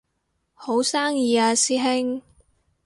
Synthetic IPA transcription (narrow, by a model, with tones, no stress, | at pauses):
ho˨˥wsaː˥ŋjiː˨˧aː˧siː˥ɦɪ˥ŋ